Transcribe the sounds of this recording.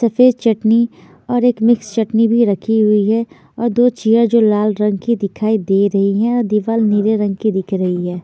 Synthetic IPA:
sɐfeːd͡ʒ̪t͡ʃɐʈni | ɔːɾeːkmɪkst͡ʃɐʈnibʱiɾɐkʰiɦʊiɦɛ | ɔːɾd̪oːt͡ʃijəɾd͡ʒoːlaːlɾɐ̃ŋɡkid̪ɪkʰaːid̪eːɾɐɦiɦɛ̃ɔːɾd̪iːʋaːlniːɾeɾɐ̃ŋɡkid̪ɪkʰɾɐɦiɦɛː

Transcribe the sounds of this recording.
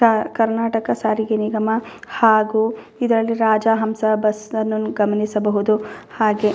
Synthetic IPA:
akɐɾnaːʈɐkɐsaːɾiɡeniɡɐmɐhaːɡuː | id̪ɐɾɐlːiɾaːd͡ʒaːɦɐmsɐbɐsɐnːuɡɐmɐnisɐbɐɦud̪uhaːɡe

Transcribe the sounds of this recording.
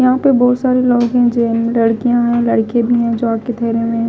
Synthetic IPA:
jɐɦãpɐɾbɔːt̪saːɾeloːɡɦɛ̃d͡ʒeːmlɐɽkijãɦɛ̃lɐɽkẽbʱiɦɛ̃d͡ʒoaːp̚ket̪ʰɛːɾẽmẽ

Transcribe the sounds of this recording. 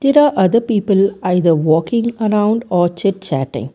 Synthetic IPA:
d̪̥ɛɾaːʔɐðəpiːpəlɐɪðɐʋɔːkɪ̃ŋɐɾãʊ̃ɳɖɔːt͡ʃɛʈ̚t͡ʃæ̰ːʈːɪ̰̃ŋ

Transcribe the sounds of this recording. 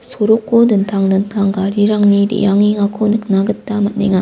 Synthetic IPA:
sʰoɾok͈ːodɯntʰaŋnɯntʰaŋɡaɾiɾaŋniɾḭjaŋiŋɦakʰonɯk̚naɡɯtt͈ːamat̚neŋa

